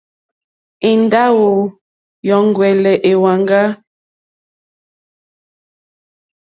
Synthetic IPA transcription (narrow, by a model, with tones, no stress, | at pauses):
e˨nda˦wo˨ | jɔ˨˦ŋ˦ɡwɛ˨lɛ˨ʔe˨wa˨ŋɡa˦